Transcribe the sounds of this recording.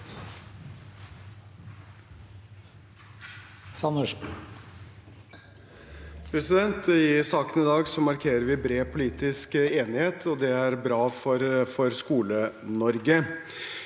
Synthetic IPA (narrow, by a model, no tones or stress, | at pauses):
sɑnø | pʰɾɛsɪd̪ɛnt̪ɪsɑːkənɪd̪ɑːɡsɔmɑɾkʰeːɾəɾʋɪbɾeːpʰʊliːt̪ɪskeːnɪheːt̪ʰɔd̪ɛæɾbɾɑːfɔɾfɔɾskuːlə | nɔɾɡə